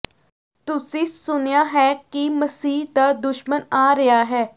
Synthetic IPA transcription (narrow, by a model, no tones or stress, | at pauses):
t̪ʊsĩːsʊnjaːɦɛːkiməsiːd̪aːd̪ʊʃmənaːɾɪaːɦɛː